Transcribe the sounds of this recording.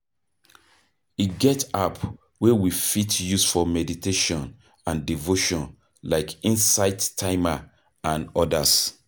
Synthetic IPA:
iɡɛtap | wewifitjusfɔmɛditʰeʃɔ̃n | ãndivoʃɔ̃n | laɪkĩnsaɪdtʰaɪma | ãnɔdas

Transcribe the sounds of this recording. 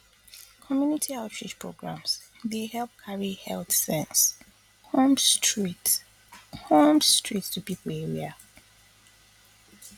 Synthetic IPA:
kʰɔmjunitʰiaʊtʰɹid͡ʒpʰɹo̰ɡɹã̰ms | dehɛlp̚kʰaɹihɛ̰lθsɛ̃ns | hõmstɹit | hõmstʰɹitstʰupipʰəl̩ɛɹia

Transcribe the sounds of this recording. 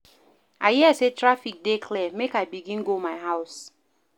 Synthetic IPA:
a̰ɪɦiɛsetɹafik̚dekʰlɛmekaɪbiɡĩnɡomaɪɦaʊs

